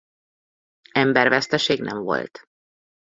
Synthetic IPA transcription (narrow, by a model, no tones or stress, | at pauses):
ɛmbɛrvɛst̪ɛʃeːɡnʔɛ̰ɱvo̞̰lt̪